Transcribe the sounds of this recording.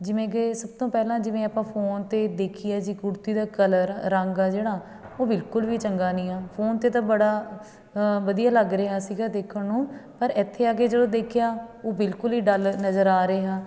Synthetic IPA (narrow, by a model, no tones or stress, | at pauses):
d͡ʒɪmẽːɡeːsəb̚t̪õːpɛːlãːd͡ʒɪʋẽːəpãːpʰoːnt̪eːd̪eːkʰɪjaːd͡ʒiːkʊɽt̪iːd̪aːkələɾːəŋɡaːd͡ʒeːɽaː | oːbɪlkʊlʋiːt͡ʃəŋɡaːnĩːaːpʰoːnt̪eːt̪ãːbəɽaː | ʋəd̪ijaːləɡɾəeːaːsiːɡaːd̪eːkʰəɳnũːpəɾɪt̪ʰːeːaːɡeːd͡ʒədõːd̪eːkʰjaːoːbɪlkʊliːɖəlnəzəɾaːɾeːɦaː